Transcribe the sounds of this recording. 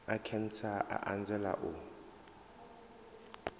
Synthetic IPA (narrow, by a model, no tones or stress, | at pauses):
akʰɛn̩t͡sʰaʔa̰ʔand͡zʱɛla̰ʔu